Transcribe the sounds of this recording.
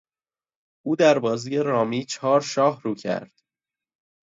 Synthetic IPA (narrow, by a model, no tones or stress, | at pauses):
ʔuːd̪æɾbɒːziːjeɾɒːmiːt͡ʃʰɒːɾʃɒːhɾuːcʰæ̰ɾd̪̥